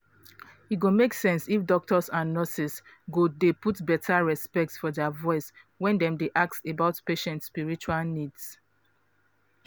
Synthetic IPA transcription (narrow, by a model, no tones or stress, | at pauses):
iɡomeksɛ̃nsifdɔk̚tʰɔsãnnɔsis | ɡudeputbɛtʰaɹɛspɛk̚tsfɔdavɔɪs | wɛ̃ndɛ̃mdeʔak̚sebaʊtpeʃɛ̃ntspiɹit͡ʃualnids